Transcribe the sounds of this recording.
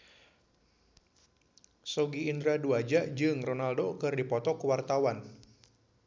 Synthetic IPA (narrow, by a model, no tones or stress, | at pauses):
soɡiːnd̪ɾaduad͡ʒad͡ʒɨŋrɔnaldokɨrdipɔt̪ɔkuwart̪awan